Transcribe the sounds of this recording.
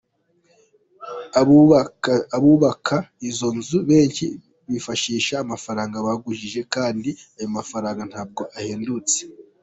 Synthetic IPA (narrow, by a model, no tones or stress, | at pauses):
βuːβakʰaizo̞nzuβe̞ːɲci | βifaʃiːʃaːmafaɾaːŋɡaβaɡuʒiʒe̞kaːndiajomafaɾaːŋɡan̥haːb̚ɡo̞ʔaheːndut͡se̥